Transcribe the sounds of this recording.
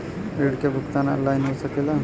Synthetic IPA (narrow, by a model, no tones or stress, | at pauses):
ɾeɽkabʱukt̪ana̰lːajnɦosəkela